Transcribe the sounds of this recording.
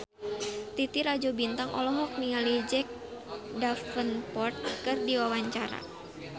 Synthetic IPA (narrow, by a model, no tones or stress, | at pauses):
t̪it̪iɾad͡ʒobint̪aŋʔɔlɔɦɔk̚niŋalid͡ʒɛk̚dafənpɔrt̪̚kɨrdiwawaɲt͡ʃaɾa̰